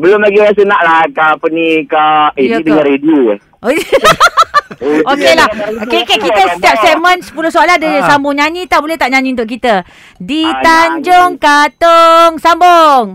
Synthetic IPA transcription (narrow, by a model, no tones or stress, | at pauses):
bəlʊmlaɡiɾas̬ənaʔlahkapənikaijidəŋãnɾeduɛ | o | okelahokekekit̪əsət̪iap̚sɛmə̃nsə̥pulʊhsoaladəsambʊŋɲaɲĩt̪abolɛht̪aʔɲãɲĩunt̪̬ʊʔk̬it̪ə | dit̪aɲd͡ʒoŋkat̪oŋsamboŋ